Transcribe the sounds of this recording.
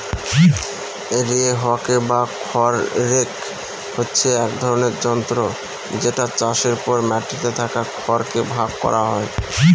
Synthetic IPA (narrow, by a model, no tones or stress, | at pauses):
eɾieɦɔakebakʰɔɾːek | hotːɕʰeɛkd̪ʱɔɾoneɾd͡ʑɔnt̪ɾo | d͡ʑeʈat͡ɕaʃeɾpɔɾmɛʈːit̪et̪ʰakakʰɔɾkebʱaɡkɔ̰ɾaɦɔe